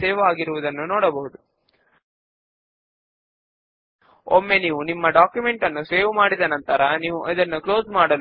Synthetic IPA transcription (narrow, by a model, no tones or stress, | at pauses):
eːʋaːɡiɾuʋud̪ɐnːunɔːɽɐbɐɦud̪u | o̰mːeniːʋunimːɐɖaːkjume̞ɳʈɐnːuseːʋmaːɽid̪ɐnɐnt̪ɐɾɐniːʋuʔid̪ɐnːuklo̞ːzmaːɽɐl